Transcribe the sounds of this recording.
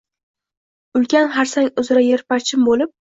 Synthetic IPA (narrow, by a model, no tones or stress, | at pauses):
ʊlˠkʲanɦaɾsaŋʲʊzɪɾajeɾpat͡ʃʰɪmbolɪp̚